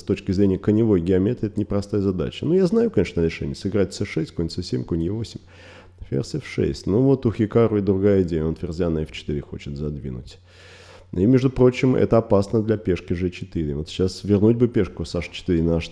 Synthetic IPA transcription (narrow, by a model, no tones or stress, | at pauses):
st̪ot͡ɕkʲɪzɾʲenʲɪjəkənʲɪvo̞jɡʲɪɐmʲet̪əɛt̪ənʲɪpɾɐst̪ajəzɐd̪a̰t͡ɕənujaznajʊkɐnʲe̞ʂnəɾʲɪʂɛ̰nʲɪ̰jsɨɡɾat̪̚ʲsɛʂɛsʲtʲkonʲt̪ʲsəsʲemʲkonʲjʲɪvo̞sʲɪmʲ | fʲḛrsɨfʂɛ̰sʲtʲnuvo̞t̪ʊxʲɪkaɾʊɪd̪ɾʊɡajəɪdʲejəont̪vʲɪrzʲanːəft͡ɕɪ̥t̪ɨɾʲɪxo̞̰t͡ɕɪt̪zɐd̪vʲḭnʊ̰tʲ | imʲeʐd̪ʊpɾo̞t͡ɕːɪmɛ̰t̪əɐpasnəd̪lʲɐpʲeʂkʲɪʐɨt͡ɕɪt̪ɨɾʲɪvo̞t̪ɕːasvʲɪrnutʲbɨpʲeʂkʊsaʂt͡ɕɪ̥t̪ɨɾʲɪnaʂ